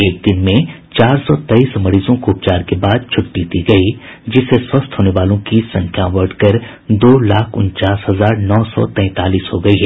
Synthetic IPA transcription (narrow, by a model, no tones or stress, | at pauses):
eːk̚d̪ɪnmẽt͡ʃaːɾsɔːt̪ɐiːsmɐɾiːzõkoːp̚t͡ʃaːɾkebaːd̪̚t͡ʃʰʊʈːiːt̪iɡɐid͡ʒɪseswɐst̪ɦoːneʋaːlõkisɐ̃ŋkʰjãwɐɾʈkɐɾ | d̪oːlaːkʰʊ̰̃nt͡ʃaːsɦɐzaːɾnɔːsɔ̰t̪ɛ̃ːt̪aːliːsɦoɡɐiɦɛ